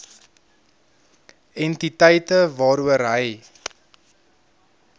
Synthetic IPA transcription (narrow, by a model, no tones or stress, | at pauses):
ɛntitəjtəvɑːɾuəɾɦəj